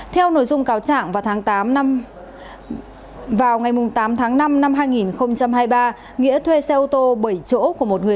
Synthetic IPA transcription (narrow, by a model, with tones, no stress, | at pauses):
t̪ʰɛ˧wno̰˧˨jzʊ˧ŋ͡mkaː˨˦wt͡ɕa̰ː˧˨ŋvaː˨˩wt̪ʰaː˨˦ŋt̪aː˨˦m˧ | vaː˨˩wŋa˨˩jmʊ˨˩ŋ͡mt̪aː˨˦mt̪ʰaː˨˦ŋna˧mna˧mɦaː˧jŋi˨˩nxə˧wŋ͡mt͡ɕa˧mɦaː˧jɓaː˧ | ŋḭ˧˥ət̪ʰwe˧sɛ˧ʔu˧t̪o˧ɓə˧˩jt͡ɕo̰˧˥ku˧˩əmo˨˩t̚ŋɨ˨˩ə